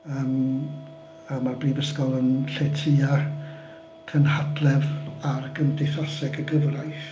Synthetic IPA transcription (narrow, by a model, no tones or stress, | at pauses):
əːm | amarbriːvəskɔlˠənɬetʰɨːa | kʰənhadlˠɛvarɡəndeθasɛɡʰəɡəvrajθ